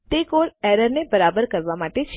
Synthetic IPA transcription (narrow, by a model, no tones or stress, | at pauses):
t̪ekoɾɛɾəɾnebəɾabəɾkəɾʋamaʈet͡ʃʰ